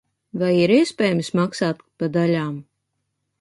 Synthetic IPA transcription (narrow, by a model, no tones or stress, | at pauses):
vajiɾiɛspʲɛːjmismaksaːt̪pad̪alʲaːm